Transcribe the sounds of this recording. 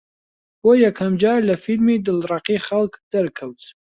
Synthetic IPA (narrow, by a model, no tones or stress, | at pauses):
wojɛkʰɐmd͡ʒɑːɾlafilmid̪ɨlrɑqixalkd̪̥ɐɾkʰɐwt̪